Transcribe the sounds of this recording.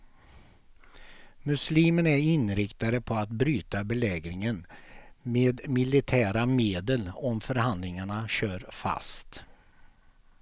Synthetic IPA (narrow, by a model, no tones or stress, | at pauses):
mɵsliːmənæɾɪnɾɪkt̪aɾəpʰɔat̪bɾyːt̪abɛlɛːɡɾɪŋənmeːd̪mɪlɪt̪ʰæːɾameːd̪əlɔmfœɾɦand̪lɪŋaɳaɕøːɾfa̰st̪